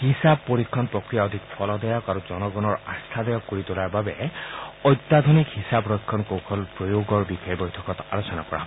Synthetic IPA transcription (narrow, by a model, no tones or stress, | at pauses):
hisab̚pːoɹikʰːɔnpɹɔkɹijaod̪ʱikpʰɔlɔd̪ɔjɔkaɹuzɔnɔɡɔnɔɹast̪ʰad̪ɔjɔkːoɹit̪ʊlaɹbabɛɔjt̪ːad̪ʱonikhisabɹɔjkʰːɔnkowkʰɔlpɹojoɡɔɹbixaibɔjtʰɔkɔtalosɔna̰kɔɹa̰